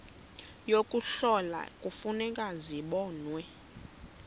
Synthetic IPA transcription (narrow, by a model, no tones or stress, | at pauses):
jokʼuɬɔla̰kʼufunɛkʼaziɓɔːnwɛ